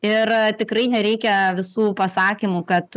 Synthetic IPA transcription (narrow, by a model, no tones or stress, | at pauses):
ɪrt̪ʲɪkɾɐɪnʲɛɾʲɛɪkʲɛʋʲɪsuːpɐsɑːkʲimukɐt̪